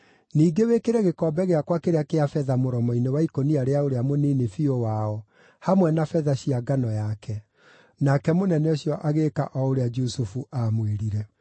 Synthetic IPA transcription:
niːɡewekeɾɛɣekɔːbɛɣeakwakeɾeakeafɛðamoɾɔmɔinewaikoniaɾeaoɾeamoninefiowaɔ | hamwɛnafɛðaɕiaɡanɔjakʰɛ | nakɛmonɛnɔɕjɔʔaɣeːka̰ʔɔoɾead͡ʒusufuʔamweɾiɾɛ

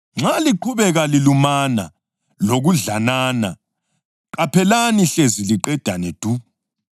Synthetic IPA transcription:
ŋ͡ǁaliǃʰuβɛɣalilumana̰ | loɣuɮanaːna | ǃapʰɛlaniɬeziliǃɛd̥ʱanɛd̥ʱu

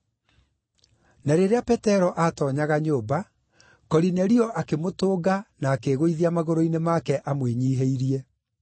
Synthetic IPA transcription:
naɾeɾeapɛtɛɾɔʔatɔːɲaɣaɲoːba | kɔɾinɛɾiɔʔakemotoːɡanaːkeɣoiðiamaɣoɾoinemakɛʔamweɲiːɦeiɾiɛ

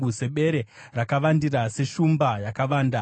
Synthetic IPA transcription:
use̞ɓe̞ɾe | rakaʋandirase̞ʃumbajakaʋaːnda

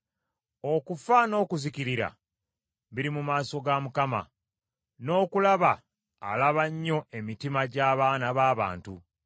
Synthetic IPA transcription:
o̞kufano̞ːkuziciɾiɾa̰ | βiɾimumaːso̞ɡamukama̰ | no̞ːkulaβa̰ː | laβaɲːo̞e̞mitimaɟaːβaːnaβaːβa̰ːntṵ

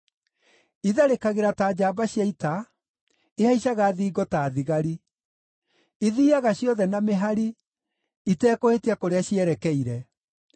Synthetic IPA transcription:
iðaɾekaɣeɾataːd͡ʑaːbaɕjaita | ehaiɕaɣaːðiːɡɔtaːðiɣaɾi | iðiːaɣaɕjɔðɛnameɦaɾi | itɛːkohetakoɾeaɕjɛɾɛkɛiɾɛ

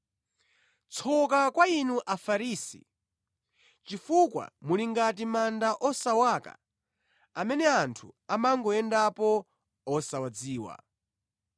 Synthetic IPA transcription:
t͡sʰɔkakwainuʔafaɾiːsḭ | t͡ʃifukwa̰muliŋɡat̬imandaʔɔsawaːka̰ | amɛnɛantʰuamaŋɡɔɛndapɔ | ɔsawad͡ziːwa̰

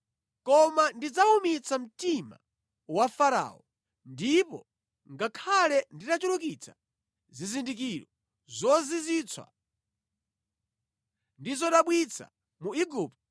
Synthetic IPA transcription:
kɔmandid͡zaumit͡sam̩tima̰ | wafaɾa̰ːɔ | ndipɔ | ŋɡakʰalɛnditat͡ʃulukit͡sʰḁ | zizindik̬iɾɔ | zɔzizit͡sʰwa̰ | ndizɔɗaɓwit͡sʰa̰ | muiɡup̚t

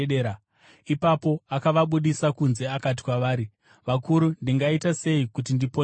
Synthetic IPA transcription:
eɾa | ipapo̞akaʋaɓuɗisakunze̞akat̬i̥kwaʋaːɾi | ʋakuɾundiŋɡaitase̞ikutindipo

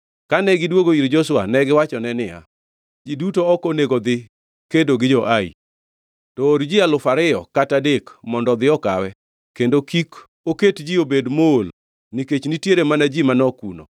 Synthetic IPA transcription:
kanɛɡɪdwoɡoiɾd͡ʒoswanɛɡɪwat͡ʃɔnɛnɪja̰ | d͡ʒidutoɔkoneɡod̪ɪ | kedoɡɪd͡ʒɔʔaḭ | tɔːɾd͡ʒialʊfaɾɪɔkatadekmɔndɔd̪ɪɔkawɛ | kendokik | oketd͡ʒiobedmool | niket͡ʃnitjeɾemanad͡ʒimanɔkuno

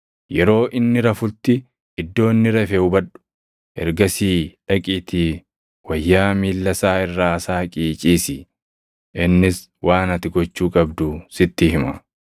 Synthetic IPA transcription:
jɛɾo̞ːʔɪnːɪɾɐfʊlt̪ːɪ | ɪd̪ːo̞ːnːɪɾɐfɛʊbɐᶑʊ̥ | ʔɛ̰ɾɡɐsiːᶑɐkʼiːt̪ʰiː | wɐjːaːmiːlːɐsaːɪrːaːɐsaːkʼiːt͡ʃʼiːsɪ | ʔɪnːɪs | waːnɐt̪ɪɡɔt͡ʃːuːkʼɐbd̪ʊsɪt̪ːɪɦɪmɐ

